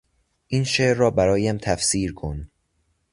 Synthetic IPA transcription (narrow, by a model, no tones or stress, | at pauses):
ʔinʃeːʔɾːɒːbæɾɒːjæmt̪ʰæfsiːɾkʰon